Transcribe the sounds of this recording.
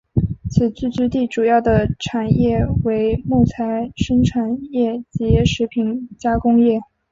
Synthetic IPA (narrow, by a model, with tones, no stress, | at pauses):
t͡sʰɹ̩˨˩t͡ɕy˥˧t͡ɕy˥˧t̪i˥˩ʈ͡ʂu˨˩jɑ˥˩ʊd̪ə˩ʈ͡ʂʰa˨˩njɛ˥˩we˧˥ɪmu˥˩t͡sʰa˧˥ɪʂɤ˥ŋʈ͡ʂʰa˨˩njɛ˥˩t͡ɕɛ˧ɛ˥ʂɻ̩˧˥pʰi˨˧˩nt͡ɕja˥kʊ˥ŋjɛ˥˩